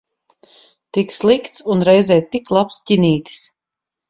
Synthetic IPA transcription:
t̪ikslˠikt̪sunɾɛjzɛːt̪iklˠapscʲiniːt̪ʲi̥s

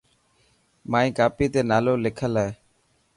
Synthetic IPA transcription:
maːĩːkaːpiːt̪eːnaːloːlɪkʰəlaːeː

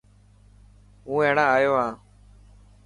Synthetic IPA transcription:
ɦũːẽːɳãːaːjoːaː

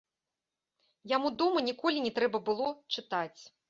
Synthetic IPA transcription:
jamud̪ɔmɐnʲikɔlʲinʲɛt̪ɾɛbɐbɨlˠɔt͡ʂɨt̪at͡sʲ

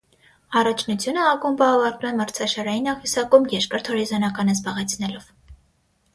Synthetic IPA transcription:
ɑrɑt͡ʃʰnut͡sʰjunəɑkumvɑːvɑɾt̪umɛməɾt͡sʰɑʃɑɾɑjinɑχvisɑkumjɛɾkəɾt̪ʰhɔɾizɑnɑkɑnəzbɑʁɛt͡sʰnɛlɔv̥

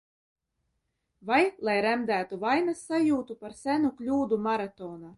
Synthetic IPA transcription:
vajlˠajɾæmd̪æːt̪uvajnasːajuːt̪upaɾsʲænuklʲuːd̪umaɾat̪ɔːna

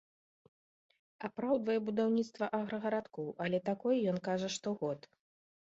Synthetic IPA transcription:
apɾawd̪vɐjɛbud̪awnʲit̪st̪vɐʔaɣɾɐɣɐɾat̪kɔwʔɐlʲɛt̪akɔjjɔnkaʐɐʂt̪ɔɣɔt̪

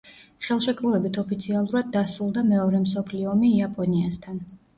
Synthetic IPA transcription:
χɛlˠʃɛkʼɾuvɛbit̪ʰɔpit̪sʰialˠuɾad̪̚ːasɾulˠd̪amɛɔɾɛmsɔpʰliɔːmiːapʼɔniast̪ʰan

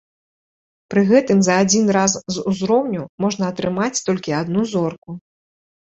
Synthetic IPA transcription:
pɾɨɣɛt̪ɨmzɐːd͡zʲinɾaszuzɾɔwnʲumɔʐnɐːt̪ɾɨmat͡sʲt̪ɔlʲkʲiad̪nuzɔrku

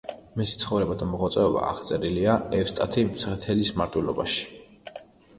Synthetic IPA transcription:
misit̪sʰχɔvɾɛbad̪amɔʁɔt̪sʼɛɔba̰ːʁt̪sʼɛɾiliaɛfst̪ʼat̪ʰimsʰʁɛt̪ʰɛlismaɾt̪ʼwilˠɔbaʃi̥

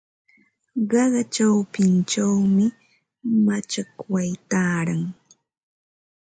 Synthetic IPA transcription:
ɢɑɢɑt͡ʃawpɪnt͡ʃawmɪ | mat͡ʃakwajt̪aːɾaŋ

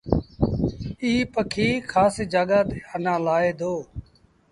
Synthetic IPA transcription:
iːpəkʰiːkʰaːsed͡ʒaːɠaːd̪eːənãːlaːeːd̪ʱoː

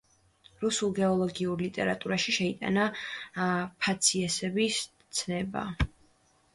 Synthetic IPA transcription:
ɾusulˠɡɛɔlˠɔɡiuɾlit̪ʼɛɾat̪ʼuɾaʃiʃɛit̪ʼa̰na | pʰat̪sʰiɛsɛbis | t̪sʰnɛba̰

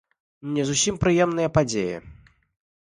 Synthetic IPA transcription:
nʲɛzusʲimpɾɨjɛmn̪ɨjɐpad͡zʲejɛ̰

